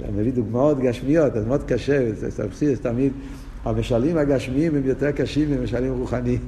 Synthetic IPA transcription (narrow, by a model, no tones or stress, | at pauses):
məviːdɪɡmaɔtɡaʃmiɔtɛsmɔtkaʃɛssa̰χsiːəstamiːd | amɛʃalimaɡaʃmiiːmɪmjɔtɛkaʃiːmɪməʃalˠiːmʁuχani